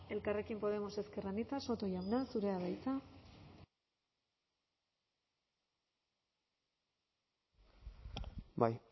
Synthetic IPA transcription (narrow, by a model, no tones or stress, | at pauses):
e̞lkare̞kimpo̞ð̞e̞mo̞se̞ske̞ranit͡saso̞t̪o̞jawnansuɾe̞aβajt͡sa | baj